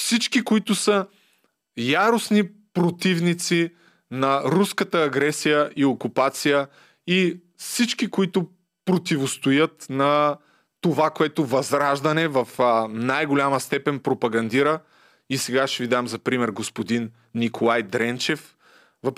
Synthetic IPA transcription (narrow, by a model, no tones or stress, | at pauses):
fsit͡ʃkikoit̪ʊsə | jaɾosnipɾot̪ivnit̪si | nɐɾuskət̪əːɡɾɛsijəʔiokupat̪sijə | i | fsit͡ʃkikoit̪ʊ | pɾot̪ivost̪ojət̪nɐ | t̪ovakoɛt̪ʊvɐzɾaʒd̪ɐnɛvɐfnajɡolʲaməst̪ɛpɛnpɾopɐɡɐnd̪iɾə | isɛɡaʃɛvid̪amzɐpɾimɛɾɡospod̪inː | ikʰolˠajd̪ɾɛnt͡ʃɛf | vɐ